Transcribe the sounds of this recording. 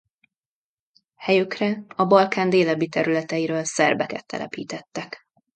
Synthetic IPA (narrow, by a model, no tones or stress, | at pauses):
hɛjykrɛɒbɒlkaːnd̪eːlɛbit̪ɛɾylɛt̪ɛjiɾøːlsɛrbɛkɛ̰t̪ːɛ̰lʔɛ̰piːt̪ɛt̪ːɛk